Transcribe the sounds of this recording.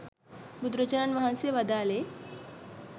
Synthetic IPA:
bud̪ɾət͡ɕəɾaɳʋaɦãnseʋəd̪ale

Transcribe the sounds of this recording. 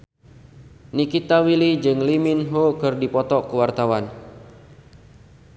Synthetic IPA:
nikit̪awilid͡ʒɨŋliminɦokɨrdipɔt̪ɔkəwart̪awan

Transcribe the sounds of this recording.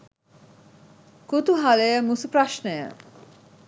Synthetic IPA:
kut̪uɦaləjəmusupɾaʃnəjə̰

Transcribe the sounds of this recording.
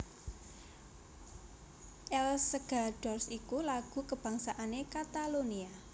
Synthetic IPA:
ʔɛlsəɡ̥a̤ɖ̥ɔrsikulaɡ̥ṳkəb̥aŋsaʔanekat̪alonia

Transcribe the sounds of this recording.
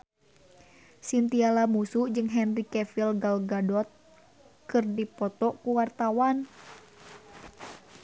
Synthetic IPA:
sint̪ialamusud͡ʒɨŋɦɛnrikɛfilɡalɡadɔt̪̚ | kɨrdipɔt̪ɔʔkuwart̪awan

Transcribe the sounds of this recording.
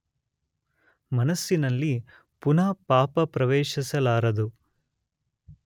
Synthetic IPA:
mɐnɐsːinɐlːi | punaːpaːpɐpɾɐʋɛːʃisɐlaːɾɐd̪u

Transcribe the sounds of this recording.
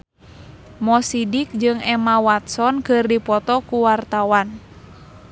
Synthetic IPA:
mɔsidik̚d͡ʒɨŋɛmawat̪sɔnkɨrdipɔt̪ɔkuwart̪awan

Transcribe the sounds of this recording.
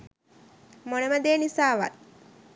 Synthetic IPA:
moneməd̪eːnisaːʋa̰t̪

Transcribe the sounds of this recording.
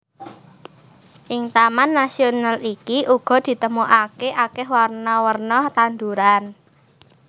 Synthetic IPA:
ʔɪŋt̪amanːasionalikiʔuɡ̥ɔ̤d̪̥i̤t̪əmuʔakeʔakɛɦwarnɔwərnɔt̪and̪uɾan

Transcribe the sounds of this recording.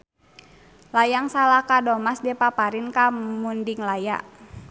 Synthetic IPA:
lajaŋsalakadɔmasdɛpapaɾinkamundiŋlaja̰ʔ

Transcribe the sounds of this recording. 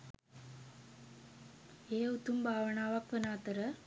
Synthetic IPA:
eːut̪umbʱaːʋəɳaːʋakʋənaːt̪əɾə

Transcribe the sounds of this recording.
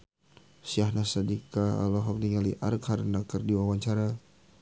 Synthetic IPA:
siahnasadikaa̰lɔɦɔk̚niŋaliʔaɾkhaɾnakərdiwawaɲt͡ʃaɾa

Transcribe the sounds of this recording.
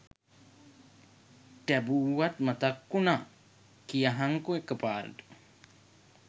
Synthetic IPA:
ʈæbuːat̪mat̪akːuna | kijaɦaŋkuekəpaːɾ̰t̪u̥

